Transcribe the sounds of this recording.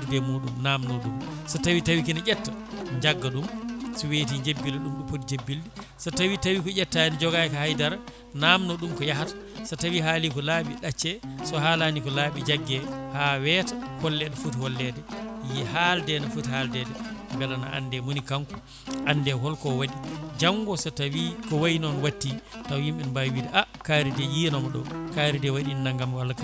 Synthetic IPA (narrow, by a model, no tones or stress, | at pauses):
dudɛmuːɗumnaːmnɔɗumsɔtawitawik̬inaʔɛtːaɲd͡ʒaɡːaɗumsɔwetiɲd͡ʒebːilɛɗumɗumpotid͡ʒebːildisɔtawitawikɔʔɛtːanid͡ʒɔɡajkahajdaɾa | naːmnɔɗumkɔjaɦatḁsɔtawiɦaːlikɔlaːɓḭɗat͡ʃːɛsɔhalanikɔlaːɓid͡ʒaɡːɛhawɛtḁhɔlːɛdɛfuthɔlːɛdɛjihaldɛnafuthaldɛdɛmbɛlana̰ʔa̰ndɛmunikaŋku | ʔandɛɦɔlkɔwaɗid͡ʒaŋɡɔsatawikɔwajinɔnwatːitawjimɓɛnbajwidɛʔakaːɾidɛjinɔmɔɗɔ̰kaɾidɛwaɗinːaŋɡamwalka